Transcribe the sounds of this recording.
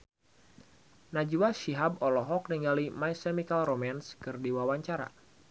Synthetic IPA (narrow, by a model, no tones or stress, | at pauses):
nad͡ʒuwaʃiɦabɔlɔɦɔk̚niŋɡalimajsɛmikalromanskɨrdiwawaɲt͡ʃaɾa̰